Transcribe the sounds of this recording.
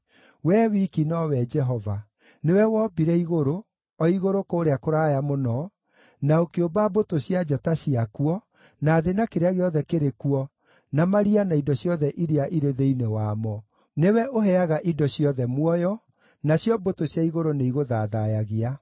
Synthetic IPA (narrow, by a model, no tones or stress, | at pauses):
wɛːwikinɔwɛd͡ʒɛɦɔva | newɛwɔbiɾɛiɣoɾo | ɔiɣoɾokoːɾeakoɾaːjamonɔ | naokeobabotoɕjad͡ʒataɕiakuɔ | naːðenakeɾeaɣeɔðɛkeɾekuɔ | namaɾianaidɔɕjɔðɛʔiɾeaʔiɾeðeinewaːmɔ | newɛʔoɦɛaɣaʔidɔɕjɔðɛmwɔjɔ | naɕjɔbotoɕjaiɣoɾoneiɣoðaðajaɣea